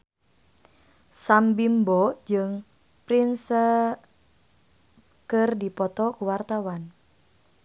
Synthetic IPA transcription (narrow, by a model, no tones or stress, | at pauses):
sambimbɔʔd͡ʒɨŋ | pɾinsə | kərdipɔt̪ɔkuwart̪awan